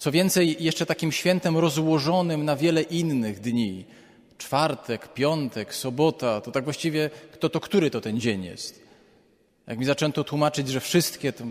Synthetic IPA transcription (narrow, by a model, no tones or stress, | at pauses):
t̪sɔvʲjɛnt̪sɛjjɛʂt͡ʂɛt̪akʲimɕfʲjɛnt̪ɛmɾɔzwɔʐɔnɘmnavʲjɛlɛʔinːɘɣd̪ɲi | t͡ʂfaɾt̪ɛkpʲjɔnt̪ɛksɔbɔt̪at̪ɔt̪aɡvwaɕt͡ɕivʲjɛkt̪ɔt̪ɔkt̪uɾɘt̪ɔt̪ɛnd͡ʑeɲjɛ̰st̪ | jʔa̰kmʲizat͡ʂɛnt̪ɔt̪wumat͡ʂɘd͡ʑʐɛfʂɘst̪kʲɛt̪